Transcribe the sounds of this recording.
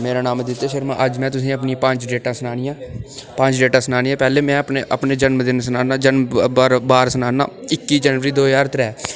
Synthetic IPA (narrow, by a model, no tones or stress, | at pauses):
meːɾaːnaːmd̪ɪt̪ːeːʃəɾmã̰ːʔəd͡ʒmɛ̃ːt̪ʊs̬ĩːəpniːpəɲd͡ʒɖeːʈãːsənaːɽ̃iːãːpəɲd͡ʒɖeːʈaːsənaːñiːɛ̃ːpɛːleːmɛ̃ːəpneʔəpneːd͡ʒənməd̪ɪnsənaːnaːd͡ʒənmːɾbaːɾsənaːna̰ːɪkːiːd͡ʒɛːnʋəɾiːd̪oːjaːɾt̪ɾɛː